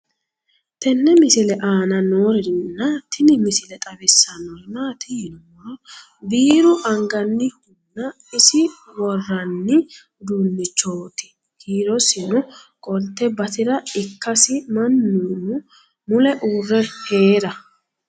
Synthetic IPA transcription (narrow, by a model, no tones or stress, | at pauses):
t̪ɛnːɛmɪsɪlɛʔaːnɐnoːɾɪɾɪnnːɐt̪ʰɪnɪmɪsɪlɛt̪ʼɐbɪsːɐnɔhɪnaːt̪ɪɪnɔwɔɾɔ | biːɾʊʔɐŋɡɐnːɪhʊnːɐ | ɪsɪ | wɔrːɐnːɪ | d̪uːnːɪt͡ʃːoːt̪ɪ̥ | kiːɾɔsɪnʊ | kʼɔlt̪ːɛbɐt̪ɪɾɐɪkːɐsɪmɐnːuːnʊ | mʊlɛʔuːrːɛhe̞ːɾɐ